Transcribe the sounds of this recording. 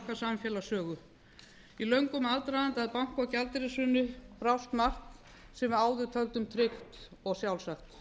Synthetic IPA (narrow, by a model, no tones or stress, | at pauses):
kasamfjɛːlasœːɣʏ | ilœɥŋkʏmaðt̪ɾaðant̪aðpawŋ̥kacalt̪ɾɪsʏnʏpɾawst̪mar̥kn | sɛmaːwðʏt̪ʰœlt̪ʏmt̪ʰɾɪxt̪ | ɔɣsjawlsaxt̪